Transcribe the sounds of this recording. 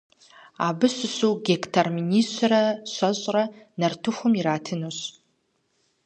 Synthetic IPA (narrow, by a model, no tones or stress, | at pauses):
abɨsʷɨɕuɡʲektʰarminist͡ʃʷrɐɕʷaʑʷʼrɐnɐrtʰʊxʷʊmiɾaːtʰɨnoɕ